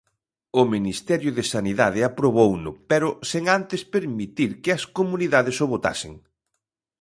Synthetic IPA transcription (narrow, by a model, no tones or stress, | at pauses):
ʊminist̪ɛɾjʊðɪsaniðaðɪapɾoβownʊ̰pɛɾʊseŋant̪ɪspeɾmit̪iɾkɪɐskomuniðaðɪsʊβot̪a̰sɪ̰ŋ